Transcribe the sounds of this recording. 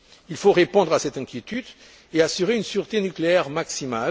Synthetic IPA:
ilfoʁepɔ̃d̪ʁasɛt̪ɛ̃kʲjet̪yd̪ | easyʁeynsyʁt̪enykleɛʁmaksimal

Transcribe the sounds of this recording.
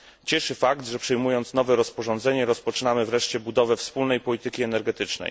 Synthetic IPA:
t͡ɕɛʂɘfaɡd̪ʐɛpʂɛjmujɔnt̪snɔvɛɾɔspɔʐɔnd̪zɛɲɛɾɔspɔt͡ʂɘnamɘvɾɛʂt͡ɕɛbud̪ɔvɛfspulnɛjpɔlʲit̪ɘkʲiɛnɛɾɡɛt̪ɘt͡ʂnɛ̰j

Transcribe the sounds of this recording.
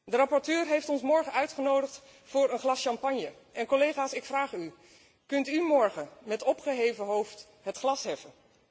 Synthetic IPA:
dərɑpɔɹtøːɹɦejftɔnsmɔɹχəœɥtχənowdəχt | fʊːɹənχlɑsʃɑmpɑɲjə | ʔɛnkolejχaːsɪkfraːχy | kɵntymɔɹχəmɛtɔpχəɦejvəɦowft | ɦətχlɑsɦɛfən

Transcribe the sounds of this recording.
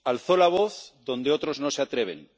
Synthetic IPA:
alθo̞laβ̞o̞θðo̞nd̪eo̞t̪ɾo̞znoseat̪ɾeβ̞ḛn

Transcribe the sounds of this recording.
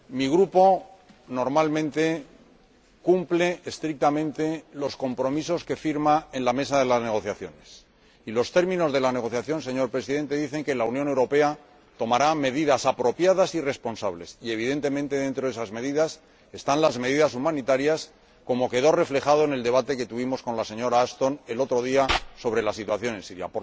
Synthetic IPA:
miɣɾupo̞ | no̞ɾmalmẽnt̪e̞ | kumple̞ːst̪ɾik̚t̪amẽ̞nt̪e̞lo̞sko̞mpɾo̞miso̞ske̞fiɾmae̞nlame̞saðe̞lazne̞ɣ̞o̞θjaθjo̞̰ne̞s | ilo̞st̪e̞ɾmĩno̞zðe̞lane̞ɣ̞o̞θjaθjo̞nse̞ɲo̞ɾpɾe̞siðe̞nt̪e̞ðiθe̞ŋkelauwnjone̞wɾo̞pe̞a | t̪o̞maɾame̞ðiðasapɾo̞pjaðasire̞spo̞nsaβle̞sie̞β̞iðe̞nt̪e̞mẽnt̪e̞ðe̞nt̪ɾoesazme̞ðiðas | e̞st̪anlazme̞ðiðasumãnit̪aɾjas | ko̞mo̞ke̞ð̞o̞re̞fle̞χað̞o̞ene̞ld̪e̞βat̪e̞ke̞t̪uβimo̞sko̞nlase̞ɲo̞ɾaast̪o̞ne̞lo̞t̪ɾo̞ð̞iaso̞β̞ɾe̞lasit̪waθjo̞ne̞nsiɾja̰p

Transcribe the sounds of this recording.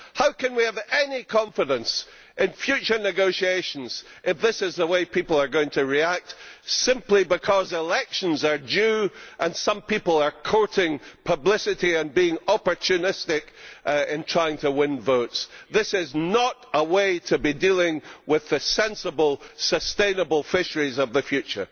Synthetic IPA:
haʊkʰɨ̃nwiəvɛnikʰɔ̃ɱfɨɾə̃ns | ʔɪ̃nfjʉt͡ʃə˞nɨɡoʊʃieʃə̃nz̥ | ʔɪfðɪsɪzðəweɪpʰipl̩ˠə˞ɡoʊɪ̃ŋtʰɨɹiak̚tsɪ̃mplˠibɪkʰɔzɪlˠɛkʃə̃nzə˞d͡ʒʉʔə̃nsʌ̃mpipəl̩ˠə˞kʰoɹʔɪ̃ŋpʰəblɪsɨʔiə̃nbiɪ̃ŋɔpə˞t͡ʃʰʉnɪstɪkɪ̃ntʰɹ̥aɪɪ̃ŋtʰəwɪ̃nvoʊtsðɪsɪznəʔəweɪtʰəbidilˠɪ̃ŋwɪðɨsɛ̃nsəbəl̩ˠsəstẽɪ̃nəbəl̩ˠfɪʃə˞izʌvðəfjʉt͡ʃə̰˞

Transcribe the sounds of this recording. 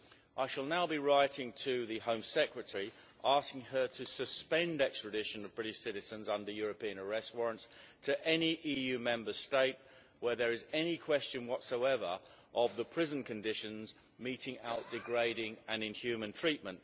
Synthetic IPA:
ʔaɪʃəlˠnaʊbiɹaɪɾɪ̃ŋtʰɨðɨhə̃ʊ̃msɛkɹɨtʰəɹi | ʔɑˑskɪ̃ŋə˞ɾʰɨsɨspɛ̃ndɛkstɹ̥ɨdɪʃɨ̃nʌvbɹɪɾɪʃsɪɾɨzə̃nzʌ̃ndə˞jɔɹəpiɨ̃nə˞ɛst̚wɔɹə̃ntstʰɨʔɛniʔijʉmɛ̃mbə˞steɪt̚ | wə˞ðə˞ɨzɛnikʰw̥ɛst͡ʃɨ̃nwʌtsoʊɛvə̰˞ | ʔəvðəpʰɹ̥ɪzə̃n̩kʰɨ̃ndɪʃɨ̃nz | miɾɪ̃ŋaʊʔ̚d̥ɨɡɹeɪɾɪ̃ŋɨ̃nɪ̃nhjʉmə̃ntʰɹ̥iˑʔ̚mə̃nt

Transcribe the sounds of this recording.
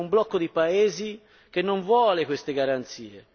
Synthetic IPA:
umblɔkːod̪ipaeːzi | k̟enːoɱvwɔːlekwest̪eɡaɾant̪sḭːe

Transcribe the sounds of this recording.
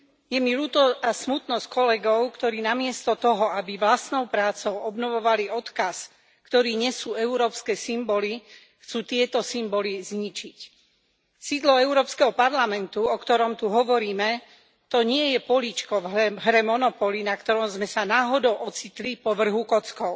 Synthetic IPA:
jɛmiluːt̪ɔasmut̪nɔskɔlɛɡɔʊkt̪ɔɾiːnamɪɛst̪ɔt̪ɔɦɔabiʋlast̪nɔʊpɾaːt͡sɔʊɔbnɔʋɔʋaliɔt̪kas | kt̪ɔɾiːɲɛsuːɛuɾɔːpskɛːsimbɔli | xt͡suːt̪ɪɛt̪ɔsimbɔlizɲit͡ʃic | siːd̪lɔɛʊɾɔːpskɛɦɔpaɾlamɛnt̪uɔkt̪ɔɾɔmt̪uɦɔʋɔɾiːmɛ | t̪ɔɲɪɛjɛpɔlit͡ʃkɔvɦɾɛmɔnɔpɔlinakt̪ɔɾɔmzmɛsanaːɦɔd̪ɔʊʔɔt͡sit̪lipɔʋr̩ɦukɔt͡skɔʊ

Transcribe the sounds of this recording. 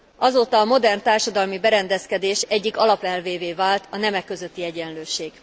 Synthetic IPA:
ʔɒzoːt̪ɒːmo̞d̪ɛrnt̪aːrʃɒd̪ɒlmibɛɾɛnd̪ɛskɛd̪eːʃɛɟːikɒlɒpɛlveːveːvaːlt̪ɒnɛmɛkːøzøt̪ːiɛɟɛnløːʃeːɡ̥

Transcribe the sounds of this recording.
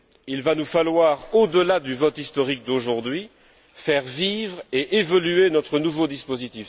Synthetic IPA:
ilvanufalwaʁod̪əlad̪yvɔt̪ist̪ɔʁik̚d̪oʒuʁd̪ɥi | fɛʁvivʁeʔevɔlyenɔt̪χənuvod̪ispozit̪if

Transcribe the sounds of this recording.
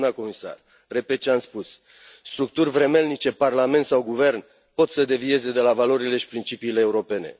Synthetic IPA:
nəko̞misa̰r | re̞pet̪t͡ʃeamspus | st̪ɾuk̚t̪urʲvɾe̞me̞lnit͡ʃe̞parlame̞nt̪sawɡuve̞rn | po̞t̪səd̪e̞vie̞ze̞d̪e̞lavalo̞ɾile̞ʃi̥pɾint͡ʃipiːleːuɾo̞pe̞ne̞̰

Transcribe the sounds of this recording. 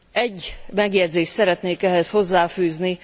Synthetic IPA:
ɛɟːmɛɡjɛd̪zeːʃt̪sɛɾɛt̪neːkɛɦɛsho̞zːaːfyːzni

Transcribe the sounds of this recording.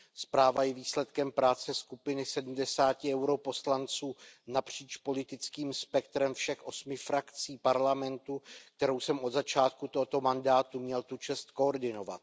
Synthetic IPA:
spɾaːvajɛviːslɛt̪kɛmpɾaːt͡sɛskupɪnɪsɛdm̩dɛsaːcɪɛwɾo̞po̞slant͡suːnapr̝̥iːt͡ʃpo̞lɪt̪ɪt͡skiːmspɛk̚t̪ɾɛmfʃɛxʔo̞smɪfɾakt͡siːpaɾlamɛnt̪ukt̪ɛɾo̞wsɛmʔo̞d̪zat͡ʃaːt̪̚kut̪oɦot̪o̞mandaːt̪umɲɛlt̪ut͡ʃɛst̪ko̞oɾdɪno̞va̰t̪

